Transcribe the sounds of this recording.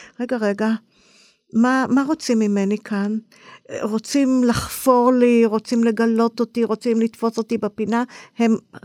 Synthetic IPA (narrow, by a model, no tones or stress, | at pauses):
ʁe̞ɡaʁeɡa | mamaʁo̞t͡simːime̞nikʰan | ʁo̞t͡simlaχfo̞ʁliʁo̞t͡simle̞ɡalo̞t̪otiʁo̞t͡simlit̪fo̞so̞t̪ibepinahe̞m